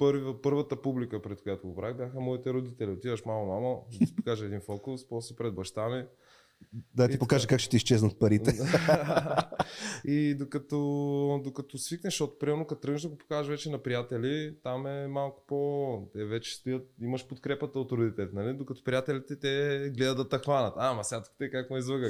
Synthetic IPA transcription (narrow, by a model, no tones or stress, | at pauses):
pɤɾvəpɤɾvət̪əpublikəpɾɛt̪̚kojat̪ʊɡopɾaxbʲjaxəmɔit̪ɛɾʊd̪it̪ɛliot̪ivəʃmalˠomaməd̪ɐsɛ̥pokaʒəːd̪infɔlkʊspɔsɛpɾɛd̪bɐʃt̪anɛ | d̪ɐipokaʒɛkakʃt̪ɛ̥t̪iist͡ʃɛznət̪̚pɐɾit̪ɛd̪a | id̪okɐt̪ɔd̪okɐt̪ɔsviknɛʃɔt̪ʊ̥pɾimɛɾnʊkɐt̪ɾɤəɡnʒd̪ɐɡopo̥kaʒvɛt͡ʃɛnɐpɾijat̪ɛlit̪amɛmalˠkʊ̥pot̪ɛvɛt͡ʃɛ̥st̪ojət̪̚imɐʃpot̪kɾɛpət̪əot̪ɾod̪it̪ɛlt̪nɐlid̪okɐt̪ɔ̥pɾʲijat̪ɛlit̪ɛt̪ɛɡlɛd̪əd̪ət̪ːɐxvanɐt̪amɐsʲat̪kt̪ɛkakmoizvəɡə